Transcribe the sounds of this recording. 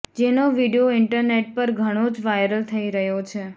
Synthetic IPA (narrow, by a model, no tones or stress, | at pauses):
d͡ʒenoʋiɽijoɪɳʈəɾneʈ̚pəɾɡʱəɽ̃od͡ʒʋajɾəlt̪ʰəiɾəɦjot͡ʃʰe